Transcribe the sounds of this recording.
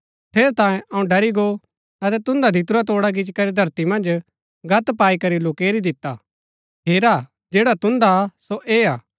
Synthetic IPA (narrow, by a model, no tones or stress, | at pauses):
pʰeːɾet̪ãːjẽʔɐũɖɐɾiɡo | ɐt̪ɛt̪ʊ̃nd̪ad̪ʱit̪ʊɾat̪oːɽaɡɪt͡ʃkɐɾed̪ʱɐɾt̪imɐ̃nd͡ʒ | ɡʱɐt̪paːikɐɾiloːkeːɾid̪ɪt̪ːa | pʰeːɾa | d͡ʒeːɽat̪ʊ̃nd̪asoʔeːaː